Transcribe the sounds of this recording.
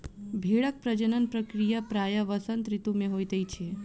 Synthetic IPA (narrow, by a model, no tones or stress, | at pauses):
bʱeɭək̚pɾəd͡ʒənənpɾəkɾijapɾajəʋəsənt̪ɾit̪umẽɦojt̪əjt͡ʃʰe